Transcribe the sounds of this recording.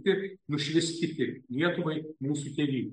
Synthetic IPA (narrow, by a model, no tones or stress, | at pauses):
t̪ʲɪnʊʃʲʋʲɪsʲkʲɪt̪ʲɪnʲiɛt̪ʊʋɐɪmuːsut̪ʲɛʋʲiːnʲ